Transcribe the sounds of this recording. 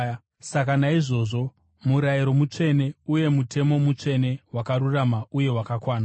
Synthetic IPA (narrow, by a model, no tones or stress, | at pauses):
sakanaiʐo̞ːʐo̞ | muɾajiɾo̞mut͡ʂe̞ne̞uje̞mutʰe̞mo̞mut͡ʂe̞ne̞wakaruramauje̞wakakwaːna